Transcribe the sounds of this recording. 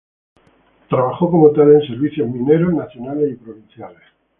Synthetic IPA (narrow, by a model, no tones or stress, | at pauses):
t̪ɾaβaχo̞ko̞mot̪alense̞ɾβiθjo̞ɦmĩne̞ɾoznaθjo̞nalesipɾoβin̟θjales